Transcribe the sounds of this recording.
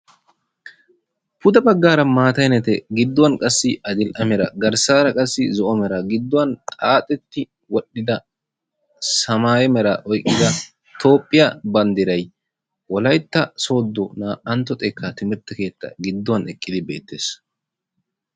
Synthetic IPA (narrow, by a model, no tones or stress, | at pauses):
pʊd̪ɐbɐɡːaːɾɐmaːt̪ɐjnɛt̪ɛɡɪd̪ːɔwɐnkʼɐsːɪʔɐd̪ɪlʔɐmɛɾɐɡɐɾsaːɾɐkʼɐsːɪzɔʔɔmɛɾɐɡɪd̪ːɔwɐnt̪ʼaːt̪ʼːɛt̪ːɪ | wɔɗːɪd̪ɐ | sɐmaːjɛmɛɾɐʔɔjkʼːɪd̪ɐ | t̪o̞ːpʼːɪjɐbɐnd̪ɪɾɐj | wɔlɐjt̪ːɐso̞ːd̪ːɔnaʔɐnt̪ːɔt̪ʼɛkʰːɐt̪ɪmɪɾt̪ːɐke̞ːt̪ːɐ̰ɡɪd̪ːɔwɐnɛkʼːɪd̪ɪbe̞̰ːt̪ːe̞ːs